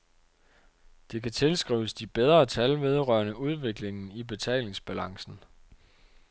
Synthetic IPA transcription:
d̥e̝kʰæt͡sʰe̝lsɡ̥ʁḭːʊəsd̥ib̥eð̞ˠʁɐːt͡sʰælʋe̝ð̞ˠʁɶɐnəuð̞ˠʋe̝ɡ̥le̝ŋn̩ib̥e̝t͡sʰɛ̰ːle̝ŋsb̥ælɑ̈ŋsn̩

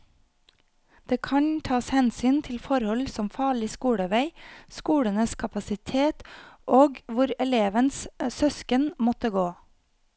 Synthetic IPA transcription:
d̪̥eːkʰɑnt̪ʰɑːshɛnsyːnt̪ʰɪlfɔɾhɔlsɔmfɑːɭɪskuːɽəʋæɪskuːɽənəskʰɑpɑsɪt̪ʰeːt̪ʔoːɡʋʊɾɛleːʋənssœskənmɔt̪əɡoː

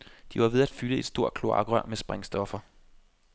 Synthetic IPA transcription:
d̥iʋɑ̈ʋe̝ð̞ˠæd̥fyləe̝d̥sd̥o̝ɐ̰̥kʰlo̝ɑ̈ɡ̥ʁɶɐ̰mesb̥ʁaŋsd̥ɒ̽fɐ

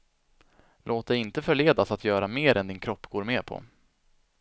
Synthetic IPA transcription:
lʔoːt̪̚d̪ɛjɪnt̪əfœɭeːd̪asat̪jœːɾameːɾɛnd̪ɪnkʰɾɔpːɡ̥oːɾmeːɾpʰɔ̰

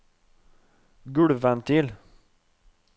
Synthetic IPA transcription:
ɡʉɽʋænt̪ʰɪl

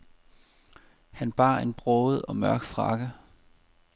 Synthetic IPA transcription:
hænb̥ɑ̰̈ːe̝nb̥ʁɔːð̩ˠɒ̽mœɐɡ̥fʁɑ̈ɡ̥ə

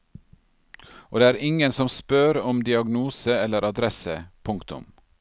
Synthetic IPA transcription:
oːd̪eːæːɾɪŋənsɔmspøːɾɔmd̪ɪɑɡnuːsəɛlːəɾɑd̪ɾɛsəpʰʊŋkt̪ʊ̰m

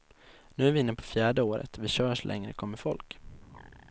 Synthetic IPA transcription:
nʉ̟ːæɾvɪɪnːəpʰɔ̥fjæːɖəoːɾə̰t̪vɪɕœːɾʂlʔɛ̰ŋɾə̰kʰɔmːəfɔ̰lk

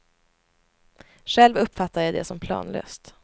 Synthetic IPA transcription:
ɧɛlvɵpːfat̪ʰːaɾjad̪ɛ̰sɔmpʰlɑ̰ːnlø̰ːst̪

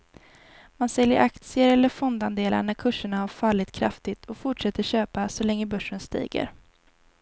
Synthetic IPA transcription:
mansɛljə̰ɾʔakt̪sɪəɾɛlːəɾfɔnd̪and̪eːla̰ɳæɾkʰɵʂːəɳahaɾfalːɪt̪kʰɾa̰ft̪ɪt̪ʰɔfʊʈʂɛt̪ːəɕøːpasɔlɛŋːəbœʂːənst̪ḭːɡə̰ɾ

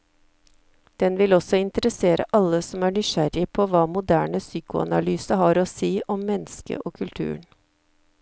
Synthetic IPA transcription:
d̪̥ɛnʋɪlɔsɔɪnt̪əɾəseːɾʔə̰ʔɑləsɔmæːɳʏʃæɾɪpʰoːʋɑːmʊd̪æːɳəsyːkʊɑ̰nɑlyːsəɦɑːɾoːsiːʔɔmːɛnəskə̰ʔoːkʰʉlt̪ʰʉ̰ːəɳ

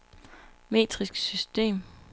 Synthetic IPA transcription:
me̝̰ːd̥ʁisɡ̥sysd̥e̝̰ːm

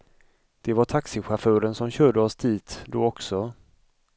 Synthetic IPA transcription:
d̪̥ɛvaʈʰaksɪɧafœːɾənsɔmɕøːɖəɔsd̪ʰiːt̪d̪oːɔksɔ

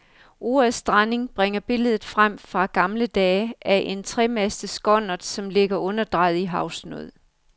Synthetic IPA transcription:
o̝ːsd̥ʁane̝ŋb̥ʁeŋɐb̥e̝ləð̞ˠð̩ˠfʁam̰fʁɑ̈ɡ̥ɑ̈mləd̥ɛːæʔe̝nt͡sʰʁɛmæsd̥əsɡ̥ɒ̽n̰ɐd̥sɒ̽mle̝ɡ̥ɐʔɔ̽nɐd̥ʁɑ̈ɪð̩ˠiɦɑ̈ʊsno̰ð̰ˠ

